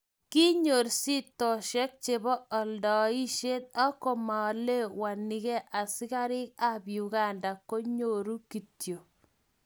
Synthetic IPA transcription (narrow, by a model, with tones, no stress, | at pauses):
ki˦ɲo˨ɾsi˦tɔ˨ʃɛ˦k̚t͡ʃe˨βɔ˦ɔ˨ldɔ˨i˦ʃe˦t̪̚a˦ko˨ma˨le˦wa˨ni˨kɛ˦ʔa˨sɪ˦ka˦ɾɪ˦ka˦bju˨ka˦˨nda˨ko˦ɲo˨ɾu˦ki˨tjo˨